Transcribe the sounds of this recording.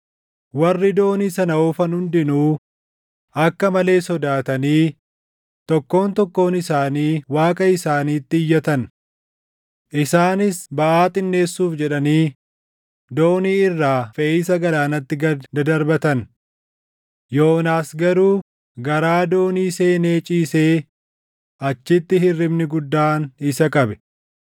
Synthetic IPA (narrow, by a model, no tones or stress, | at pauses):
wɐrːɪd̪o̞ːniːsɐnɐoːfɐnhʊnd̪ɪnuː | ɐkːɐmɐle̞ːsɔd̪aːt̪ɐniː | t̪ɔkːo̞ːnt̪ɔkːo̞ːnɪsaːniːwaːkʼɐɪsaːniːt̪ːɪːjːɐt̪ɐn | ʔɪsaːnɪsbɐʔaːt̪ʼɪnːe̞ːsːuːfd͡ʒɛᶑɐniː | d̪o̞ːniːɪrːaːfeʔiːsɐɡɐlaːnɐt̪ːɪɡɐd̪ɐd̪ɐɾbɐt̪ɐn | jo̞ːnaːsɡɐɾuː | ɡɐɾaːd̪o̞ːniːse̞ːne̞ːt͡ʃʼiːse̞ː | ʔɐt͡ʃːɪt̪ːɪɦɪrːɪmnɪɡʊd̪ːaːnɪsɐkʼɐbɛ̥